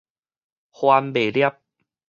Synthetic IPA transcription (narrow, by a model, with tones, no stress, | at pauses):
xwaː˧mbeː˨˩ɾi˥˩əp̚